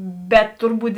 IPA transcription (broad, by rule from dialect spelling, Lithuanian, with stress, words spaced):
bʲɛt ˈtʊrˌbuːt